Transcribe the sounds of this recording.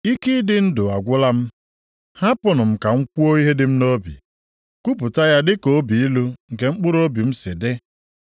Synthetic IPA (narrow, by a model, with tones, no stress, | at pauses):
i˦ki˦dɪ˦n̩˦dʊ˨a˨ɡʷʊ˦la˦m̩˦ | ha˦pʊ˨nʊ˨m̩˨ka˨ŋ̩˦kʷu˦o˦i˦ɦe˦dɪ˨˦m̩˦no˦bḭ˨ | ku˦pʊ˨ta˦ja˦dɪ˦ko˦bi˨i˦lu˦ŋ̩˨ke˨ŋ͡m̩˦k͡pʊ˦ɾo˦bi˨m̩˦se˨de˦